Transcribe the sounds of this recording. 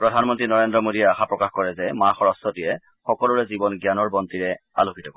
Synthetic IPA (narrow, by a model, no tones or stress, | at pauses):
pɹɔdʱanmɔntɹinɔɹendɹɔmodiɛaxapɹɔkaxkɔɹɛzɛmaxɔɹɔstɔtijɛ | xɔkɔluɹɛzibɔnɡjanɔɹbɔntiɹɛa̰lukʰitɔkɔ